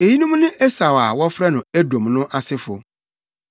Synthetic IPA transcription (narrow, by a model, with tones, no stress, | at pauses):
e˨ji˦nʊ̃˦m˦nʊ̃˦ʔɛ˦sa˨wa˨wɔ˦fɾɛ˦nʊ̃˨æ˦dõ˨mnʊ̃˦ʔa˨sɪ˦fʊ˨